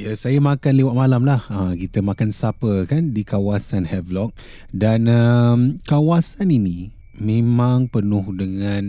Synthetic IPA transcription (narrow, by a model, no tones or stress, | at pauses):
jasajamakanlewaʔ̚malamlahəkit̪əmakansapəkandikawasanhɛvlɔk̚ | danəmkawasanini | mẽmãŋpənʊhdəŋãn